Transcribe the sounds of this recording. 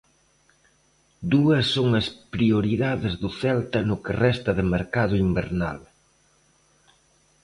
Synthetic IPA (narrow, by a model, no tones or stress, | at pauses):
d̪uɐsːoŋɐspɾioɾiðaðɪzðʊθɛlt̪ɐnʊkɪrɛst̪ɐðɪmeɾkaðʊimbḛɾna̰l